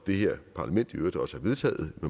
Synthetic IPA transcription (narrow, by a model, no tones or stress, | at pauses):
d̥e̝ɦeɐ̰pʰɑ̈læmen̰d̥iøːɐd̥ɒ̽səhæ̈ʋe̝ð̞ˠt͡sʰɛ̰ːð̩ˠme